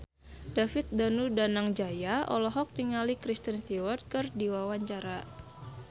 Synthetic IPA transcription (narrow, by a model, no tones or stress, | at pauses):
dafit̪̚danudanaŋd͡ʒajaɔ̰lɔɦɔk̚niŋalikɾist̪ənst̪iwərt̪̚kɨrdiwawaɲt͡ʃaɾa